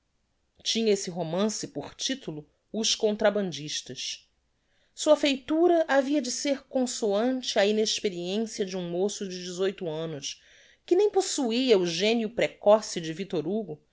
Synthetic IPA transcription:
t͡ʃĩɲɐesɪɦomɐ̃sɪpoχt͡ʃit̪ulʊ | ʊʃkõnt̪ɾabɐ̃nd͡ʒiʃt̪ɐʃ | suɐfejt̪uɾɐʔaviɐd͡ʒɪseɾkõsoɐ̃nt͡ʃɪaineʃpeɾiẽsiɐd͡ʒɪũmosʊd͡ʒɪd͡ʒɪzojt̪ʊɐ̃nʊs | kɪnẽj̃posuiɐʊʒẽniʊpɾekɔsɪd͡ʒɪvit̪oɾuɡʊ

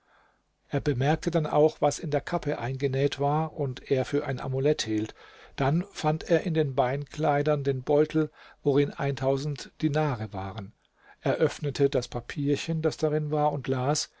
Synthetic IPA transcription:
ʔeːɐbəmɛɐk̚tʰədanʔa̰ʊxv̥asɪndeːɐkʰapʰəʔaɪnɡənɛːtv̥aːɐʔʊntʔeːɐfyːɐʔa̰ɪnʔa̰mulɛthiːltd̥anfanteːɐʔɪndeːnbaɪnkʰl̥aɪdɐndeːnbɔʏtʰl̩voʁɪnʔa̰ɪntʰaʊzn̩td̥inaːʁəvaːʁən | ʔeːɐʔœfnətʰədaspʰapʰiːɐçənd̥asd̥aʁɪnvaːɐʊntlaːs

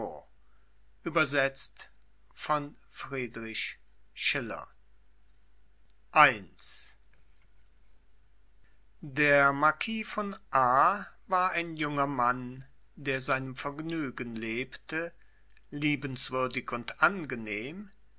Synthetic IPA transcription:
o | ʔyːbɐzɛt͡st | fɔn | fʁ̥iːdʁɪç | ʃɪlɐ̰ | ʔaɪns | deːɐmaɐkʰiːfɔnʔaːvaːɐʔaɪnjʊŋɐman | deːɐzaɪnəmfɛɐɡnyːɡənleːptə | liːbn̩sv̥ʏɐdɪçʊntʔanɡəneːm

